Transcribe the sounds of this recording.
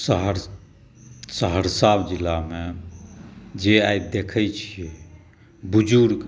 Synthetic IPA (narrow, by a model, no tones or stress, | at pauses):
sɦɾ | səɦəɾsabd͡ʒilːame | d͡ʒeajd̪ekʰɛt͡ʃʰie | bud͡ʒuɾɡ